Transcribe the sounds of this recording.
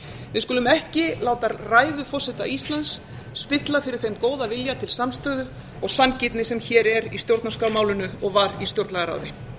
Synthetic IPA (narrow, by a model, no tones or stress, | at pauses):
vɪðkʏːlʏmɛhcɪlaːwt̪aɾraːjðʏfɔsɛt̪a̰ʔist̪lansː | pɪt̪lafɪɾɪɾ̥θejmkoːwðavɪljat̪ʰɪlsamst̪œːðʏ | ɔɣsancɪt̪nɪsɛmçɛːɾɛɾist̪jowɾt̪naskawmaːwlʏnʏɔɣvaɾist̪jowɾt̪nɛɣaɾa̰wðɪ